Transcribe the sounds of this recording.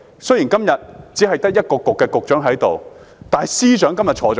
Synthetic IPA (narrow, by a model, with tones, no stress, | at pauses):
sɵ˥ji˨˩nkɐ˥mjɐ˨t̚t͡siː˨˥ɦɐ˨jt̪ɐ˥k̚jɐ˥t̚kɔː˧kʊ˨kːɛː˧kʊ˨k̚t͡ʃœː˨˥ŋɦɐ˨˥jt̪o˨w | t̪aː˨siː˥t͡ʃœː˨˥ŋkɐ˥mjɐ˨t̚t͡ʃʰɔː˨˧ɔː˨